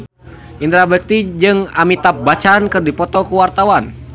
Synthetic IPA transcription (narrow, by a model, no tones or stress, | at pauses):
ʔint̪ɾabək̚t̪id͡ʒɨŋamit̪ap̚bat͡ʃankɨrdipɔt̪ɔkuwart̪awan